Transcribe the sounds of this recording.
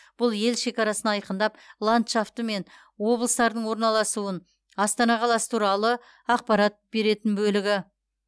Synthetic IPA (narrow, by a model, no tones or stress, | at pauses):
b̥ʊlˠje̞lʃe̞kʲɑɾɑsənɑɑjqənd̪ɑp̚lˠant̪ʃaft̪əme̞n | wo̞blˠəst̪ɑɾd̪əɴwo̞ɾnɑlˠɑsuən | ɑst̪ɑnɑqʰɑlˠɑsə̥t̪ʰuɾɑlˠə | ɑq̚pɑɾɑt̪̚b̥e̞ɾe̞t̪ɪnbɵlɪɡʲɪ